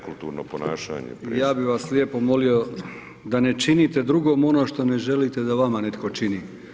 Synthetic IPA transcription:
kult̪uːɾnoponaːʃa̰ːɲḛijaːbiʋaslʲjepomolio̞ | d̪ane̞t͡ʃiniːt̪e̞d̪ɾuɡo̞mo̞no̞ːʃt̪o̞neʒe̞lit̪ed̪aʋamane̞t̪ko̞t͡ʃini

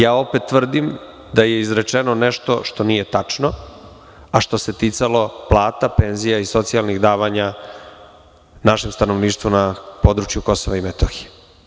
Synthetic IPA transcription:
jaːo̞pet̪ːʋr̩d̪im | d̪aje̞izɾet͡ʂenoneʃt̪o̞ʃt̪o̞nije̞t̪at͡ʂno̞ | aʃt̪o̞se̞t̪it̪salo̞plˠaːt̪ape̞nzijaiso̞t̪sialˠniɣd̪aːʋaɲa | naʃe̞mst̪anoʋniːʃt̪ʋunapo̞d̪ɾut͡ʃjuko̞soʋaimet̪oxije

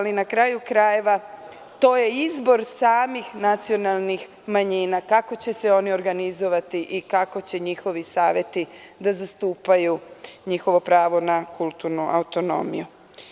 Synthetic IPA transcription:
alinakɾajukɾaje̞ʋa | t̪o̞ːje̞izbo̞ɾsaːmixnat̪sio̞nalˠnix | maɲiːnakako̞t͡ɕe̞seo̞nio̞ɾɡanizo̞ʋat̪iʔikako̞t͡ɕe̞ɲixo̞ʋisaːʋjet̪id̪azast̪uːpajuɲixo̞ʋo̞pɾaːʋo̞nakulˠt̪uɾnuʔa̰wut̪o̞no̞̰mḭju

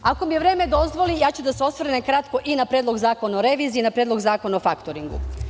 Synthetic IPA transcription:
ako̞mijeʋɾe̞ːme̞d̪o̞zʋo̞lijaːt͡ɕud̪aseo̞sʋɾnemkɾat̪ko̞ʔinapɾeːd̪lˠo̞ɡzaːko̞naoɾeʋiːzinapɾedlo̞ɡzaːko̞naofakt̪oɾiŋɡṵ

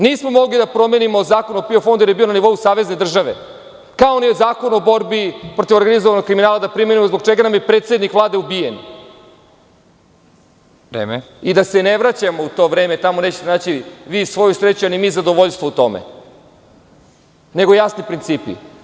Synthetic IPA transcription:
niːsmo̞mo̞ɡlid̪apɾo̞me̞nimozaːkonopiofo̞nd̪ujeɾjeio̞naniʋo̞jusaːʋe̞zne̞d̪r̩ʒaʋe̞̰ | kaonizaːko̞nobo̞ɾbipɾo̞t̪iʋo̞ɾɡanizoʋanokɾiminaːlˠad̪apɾimenimozbot͡ʃeɡanamjepɾeːt̪se̞d̪nikʋvlˠaːd̪e̞ubijen | ɾḛːme | id̪aseneʋɾat͡ɕamo̞ut̪o̞ʋɾe̞ːme̞t̪amone̞ːt͡ɕe̥t̪enaːt͡ɕiʋiːsʋo̞jusɾet͡ɕuanimiːzad̪oʋoʎst̪ʋout̪o̞mḛ | ne̞ɡojasnipɾint̪siːpḭ

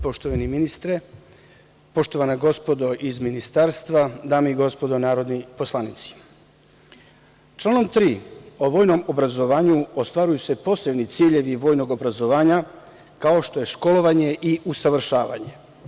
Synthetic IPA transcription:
po̞ʃt̪oʋaniminist̪ɾe | po̞ʃt̪o̞ʋanaɡo̞spo̞d̪o̞ʔizminist̪aɾst̪ʋad̪aːmoiɡo̞spo̞d̪onaːɾo̞d̪nipo̞slanit̪si̥ | t͡ʃlˠaːno̞mt̪ɾiːo̞ʋo̞ːjno̞mobɾazo̞ʋaːɲuost̪ʋaːɾujuse̞po̞se̞bnit̪siːʎe̞ʋiʋo̞ːjno̞ɡo̞bɾazo̞ʋaːɲa | kao̞ʃt̪o̞je̞ʃko̞lo̞ʋaɲe̞ʔiʔusaʋr̩ʃaːʋa̰ɲe̞

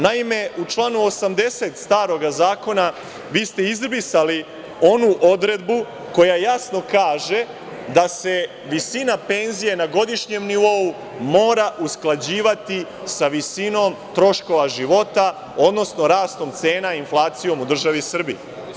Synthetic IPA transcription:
naime̞ut͡ʃlˠaːnuosamd̪e̞set̪st̪aːɾo̞ɡazaːko̞na | ʋiːst̪e̞izrbisali | o̞nuʔo̞d̪ɾe̞d̪bu | ko̞jajasno̞kaːʒe̞ | d̪ase̞ | ʋisinape̞nzije̞naɡo̞d̪iʃɲe̞mniʋo̞u | mo̞ːɾaʔusklˠad͡ʑiːʋat̪i | saʋisino̞mt̪ɾo̞ʃko̞ʋaʒiʋo̞t̪a | o̞d̪no̞sno̞ɾaːst̪o̞mt̪se̞ːnainflˠaːt̪sijo̞mud̪r̩ʒaʋisr̩bie

